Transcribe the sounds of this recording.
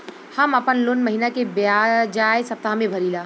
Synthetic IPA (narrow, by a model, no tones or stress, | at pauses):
hɐmɐpənlʊnmɐɦinakebad͡ʒaːjsɐp̚t̪aɦmẽbʱɐɾiːlaː